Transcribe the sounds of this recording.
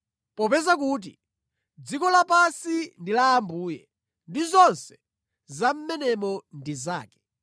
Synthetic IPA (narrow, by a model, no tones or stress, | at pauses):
pɔpɛzakuːt̬ḭ | d͡zikɔlapasindilaːmbuːjɛ | ndizɔnsɛ̥ | zam̩mɛnɛmɔndiza̰ːkɛ̥